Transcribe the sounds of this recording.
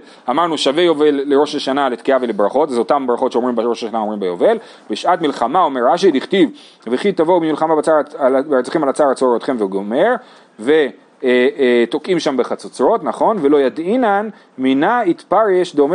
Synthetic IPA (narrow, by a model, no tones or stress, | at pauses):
amaʁnuʃavejo̞ve̞lːeʁo̞ʃleʃanalet̪kiavelebʁaχo̞t̪azot̪ambʁaχo̞tʃeo̞mʁimbaʁoʃaʃanaomʁimbejove̞l | beʃʔat̪milχamao̞meʁaʃ̬iliχt̪iv | veχit̪avobimilχamabat͡saalbt͡siχimalat͡saʁat͡soɾot̪χe̞mveɡome̞ʁ | ve̞ | t̪o̞kimʃambeχat͡sot͡sʁo̞t̪naχo̞nvelo̞jad̪inan | minait̪paʁeʃd̪eom